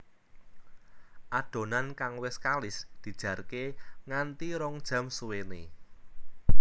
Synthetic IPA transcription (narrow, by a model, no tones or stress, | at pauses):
ʔaɖ̪̥o̤nankaŋwɪskalɪsd̪̥i̤d̥ʒ̥ä̤rkeŋant̪iɾɔŋd̥ʒ̥a̤msuwene